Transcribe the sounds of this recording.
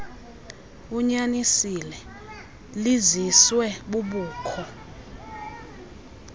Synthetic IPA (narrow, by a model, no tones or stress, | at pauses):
uɲanisilɛ | liziswɛɓuɓuːkʰɔ